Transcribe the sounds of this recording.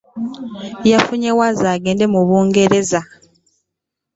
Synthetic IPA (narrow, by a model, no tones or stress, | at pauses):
jafuɲewazaːɡe̞ːnde̞muβuːŋɡe̞ɾe̞za